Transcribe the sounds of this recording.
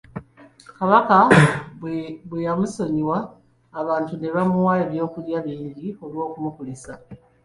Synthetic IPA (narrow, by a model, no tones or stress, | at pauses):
kaβaka | βwejamuso̞ɲiwaː | βaːntune̞βamuwajoβjo̞ːkuljaβiːɲɟio̞lwo̞ːkumukulisa